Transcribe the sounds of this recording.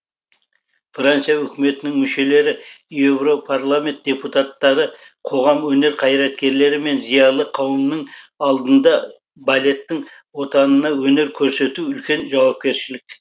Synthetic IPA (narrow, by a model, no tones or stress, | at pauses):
frant̪sijaʏkʲɪme̞t̪ɪnɪŋmʏʃe̞le̞ɾɪje̞vro̞pʰarlˠamʲe̞nt̪̚d̥̪ʲe̞put̪at̪ːɑɾə | qʰo̞ʁɑmwɵne̞ɾqʰɑjɾɑt̪̚kʲe̞ɾle̞ɾɪme̞nzijɑlˠəqʰɑwəmnəŋɑlˠd̪ənd̪ɑ | balʲe̞t̪ːɪŋ | wo̞t̪ɑnənɑwɵne̞ɾkʲʰɵɾse̞t̪uʏlkʲe̞nʒɑwɑp̚kʲe̞ɾʃɪlɪkʲ